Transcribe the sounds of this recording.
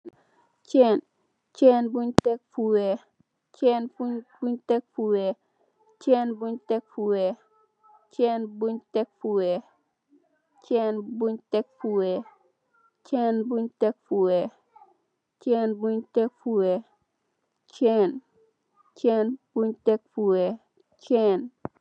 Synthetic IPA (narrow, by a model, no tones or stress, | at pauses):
t͡ʃɛn | t͡ʃɛːnbuɲtɛk̚fuwɛ | t͡ʃɛnfubuɲtɛk̚fuwɛ | t͡ʃɛːnbuɲtɛk̚fuwɛ | t͡ʃɛːnbuɲtɛk̚fuwɛ | t͡ʃɛːnbuɲtɛk̚fuwɛ | t͡ʃɛnbuɲtɛk̚fuwɛ | t͡ʃɛnbuɲtɛkfuwɛ | t͡ʃɛn | t͡ʃɛnb̥uɲtɛk̚fuwɛ | t͡ʃɛn